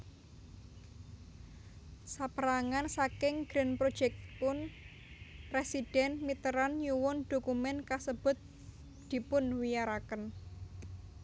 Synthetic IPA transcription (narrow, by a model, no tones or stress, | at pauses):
sapəɾaŋansakɪŋɡ̥ɾɛnpɾod̥ʒ̥ɛk̚tpʊn | presid̥ɛnmit̪əɾanjuwʊnd̪̥o̤kumɛnkasəb̥ʊ̤t̪̚ | d̪̥i̤pʊnwijaɾakən